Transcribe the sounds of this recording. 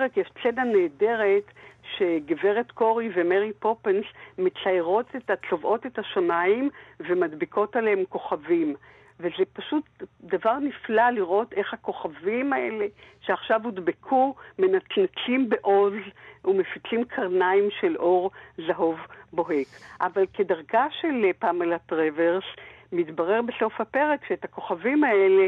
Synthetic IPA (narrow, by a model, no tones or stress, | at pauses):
ʁekjeʃt͡senaneːde̞ʁetʃe̞ɡeve̞ʁetko̞ʁivemeʁipopensmet͡saeʁo̞tetatlovʔo̞tethaʃamaimve̞madbikʰo̞talehemko̞χavim | vezepaʃutdavaʁniflaliʁʔo̞te̞χhako̞χavimae̞le̞ʃeaχʃavudbekʰume̞natnat͡simbeʔo̞zume̞fit͡slimkʰaʁnaimʃe̞lʔo̞ʁzaɦo̞vboɦe̞kʔavalke̞daʁɡaʃe̞lpaːmalatʁeveʁsmitbaʁe̞ʁbeso̞fhape̞ʁekʃeethako̞χavimaele̞